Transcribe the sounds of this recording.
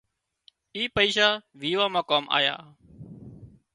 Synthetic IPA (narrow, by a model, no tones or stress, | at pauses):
iːpəiːʃaːʋiːʋaːmãːkaːmʔa̰ːja̰ː